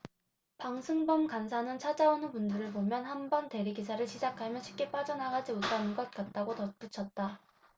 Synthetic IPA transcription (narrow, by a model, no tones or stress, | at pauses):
paŋsʰɯŋbʌmkansʰanɯnt͡ɕʰad͡ʑaonɯnpundɯɾɯɭpomjʌnhanbʌnte̞ɾiɡisʰaɾɯɭɕʰid͡ʑakʰamjʌnɕʰi̥p̚k͈ep͈ad͡ʑʌnaɡad͡ʑimotʰanɯnɡʌt̚k͈at̚t͈aɡotʌp͈ut͡ɕʰʌt̚t͈a